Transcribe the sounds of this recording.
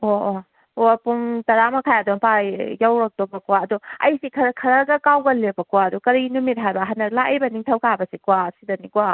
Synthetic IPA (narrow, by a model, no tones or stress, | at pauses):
o | opuŋtɐɾamɐkʰajadɔmpajawɾɐk̚dobɐkɔwaːduɐ̰jsikʰɐɾɐkʰɐɾaɡɐkawɡɐlebɐkuwaɐdukɐɾinumit̚ɦaɾbɐɦanːɐɾlaʔebɐniŋtʰɐwkʰabɐsikuwasidɐnikua